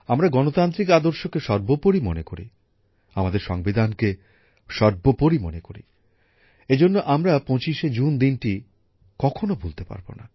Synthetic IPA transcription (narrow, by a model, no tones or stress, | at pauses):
amɾaɡɔnot̪ant̪ɾik̬ad̪oɾʃokeʃɔɾbopoɾimonekoɾḭ | amad̪eɾʃɔŋbid̪ʱanke | ʃɔɾbopoɾimonekoɾḭ | ed͡ʑonːoʔamɾapɔ̃t͡ɕiʃed͡ʑund̪inʈi | kɔkʰonobʱolt̪epa̰ɾbo̰na